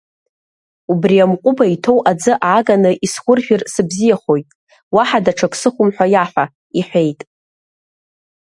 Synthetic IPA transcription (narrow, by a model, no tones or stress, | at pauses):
ubriamqʷʼʊbaitʰo̞wʔad͡zɨʔʕaɡanɨʔisχʷʊrʒᶣɪrsɨbzijaχo̞jtʼ | waħadaʈ͡ʂʰakʼsɨχʷʊmħʷᶣajaħʷᶣa | iħʷᶣe̞jtʼ